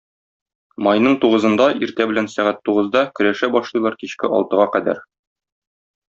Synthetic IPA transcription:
mɒjnɤɴt̪uʁɤ̆zɤ̆nd̪ɑʔiɾt̪æbɘ̆lænsæʁæt̪ːuʁɤ̆zd̪ɑkɵ̆ɾæʃæbɒʃlˠɤ̆jlˠɑɾkiɕkɘʔɒ̰lˠt̪ɤ̆ʁɑqæd̪æ̰ɾ

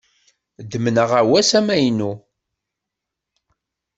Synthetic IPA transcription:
d̪əmnəʁæwæsæmæjnu

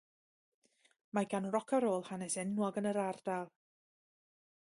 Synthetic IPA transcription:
maɡanrɔkʰaɾoːlˠhanɛsɛnwɔɡənəɾard̥alˠ

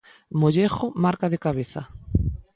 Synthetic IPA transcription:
moʎeχomaɾkaðekaβeθa̰

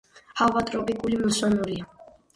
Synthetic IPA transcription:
havat̪ʼɾɔpʼikʼulimɔsɔnuɾia

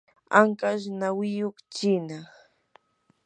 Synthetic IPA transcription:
aŋkaʃnawɪjokt͡ʃɪnaχ

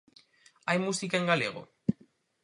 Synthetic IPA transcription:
ajmusikaeŋɡalḛɣ̞o̰

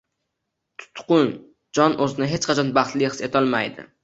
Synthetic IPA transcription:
t̪ʰʊ̥t̪qʊn | d͡ʒɒnʔɵzɪnɪɦet͡ʃqɑt͡ʃʰɒnbɑχt̪lɪhɨ̥set̪ʰɒlˠmajd̪ɪ̰

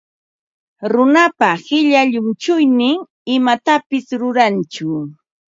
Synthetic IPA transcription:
ɾʊnapahɪʎaʎʊmt͡ʃʊjnɪŋ | ɪmat̪apɪsɾʊɾant͡ʃʊ

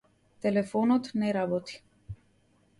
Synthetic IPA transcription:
t̪ɛlɛfɔnɔt̪nɛɾabot̪i̥

